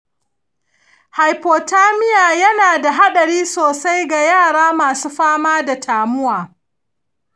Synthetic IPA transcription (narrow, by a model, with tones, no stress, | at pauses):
ha˨jpoː˨taː˦mɪ˦jaː˨jɐ˦naː˨da˨ɦa˦ɗɐ˨ɽiː˦soː˨sa˦jɡa˨jaː˦˨ɽaː˦maː˨suː˦ɸaː˦maː˦da˨tʰaː˨mʊ˦waː˨